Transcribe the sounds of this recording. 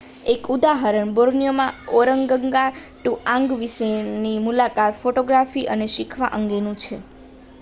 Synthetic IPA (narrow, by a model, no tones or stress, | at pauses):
ekud̪aɦaɾəɳboɾnijomãoɾəŋɡəŋɡaʈuʔãŋɡʋiʃenimulakat̪foʈoɡɾafiʔəneʃikʰʋaʔəŋɡenũt͡ʃʰe